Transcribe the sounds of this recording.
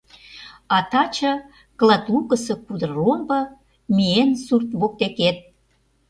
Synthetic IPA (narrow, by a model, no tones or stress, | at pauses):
ɑt̪ɑt͡ɕɤ | klɑt̪lukə̆sɤ̆kud̪ɤrombɤ̆ | miensurt̪βok̚t̪eket̪̚